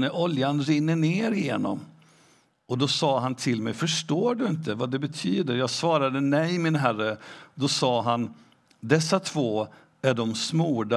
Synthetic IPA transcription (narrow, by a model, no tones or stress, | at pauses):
əʔɔljanɾɪnːəɳeːɾɪjeːnɔ̰m | ɔd̪ɔsɑːɦant̪ʰɪlmɛjfœʂʈoːɖɵɪnt̪əvad̪ɛbɛt̪ʰyːd̪əɾjɑːɡsvɑːɾad̪ənɛjmɪnɦærəd̪ɔsɑːɦan | d̪ɛsːat̪ʰv̥oː | æɖɔmsmuːɖa